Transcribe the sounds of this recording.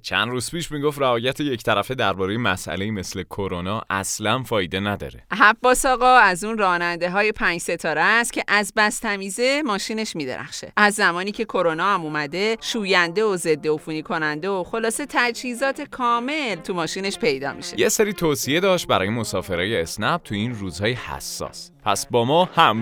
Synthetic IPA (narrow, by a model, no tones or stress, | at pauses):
t͡ʃʰæ̰nd̪ɾuːz̥piːʃmiɡoft̪rævɒːjæt̪ʰeject̪ʰæɾæfed̪æɾbɒːɾe̞jemæ̰sʔæ̰le̞iːme̞sle̞kʰoɾonɒːʔæ̰slænfɒːjed̪e̞næd̪ɒ̰ːɾeɦæbːɒːsɒːɣɒːæzuːnrɒːnænd̪e̞ɦɒːje̞pʰæːnd͡ʒse̞t̪ʰɒːɾest̪cʲʰe̞ʔæzbæst̪ʰæmiːze̞mɒːʃiːne̞ʃmiːd̪e̞̰ɾʔæ̰χʃe̞̰ʔæzːæmɒːniːcʰe̞kʰo̞ɾo̞nɒːhæmuːmæd̪e̞ʃuːjænd̪eoze̞d̪ːeofuːniːkʰo̞nænd̪eoxo̞lɒːset̪ʰæd͡ʒhiːzɒːt̪ʰe̞kʰɒːme̞lt̪ʰumɒːʃiːne̞ʃpʰe̞jd̪ɒ̰ːmḭʃejeseɾiːt̪ʰoːsie̞d̪ɒːʃt̪̚bæɾɒːjemo̞sɒːfe̞ɾɒːjeesnæb̚t̪ʰuiːnruːzhɒːjehæ̰sːɒ̰ːspʰæ̰sbɒːmɒːhæm